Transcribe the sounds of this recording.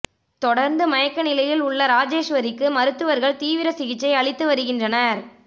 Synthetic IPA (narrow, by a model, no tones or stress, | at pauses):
t̪ɔɽɐɾnd̪ɯmɐjɐkːɐnɪlɐjɪlʊɭːɐɾaːd͡ʒeːʂʋɐɾɪkːɯmɐɾɯt̪ːɯʋɐɾɣɐɭt̪iːʋɪɾɐsɪɣɪt͡ʃːɐɪɐɭɪt̪ːɯʋɐɾɯɣɪndrɐnɐɾ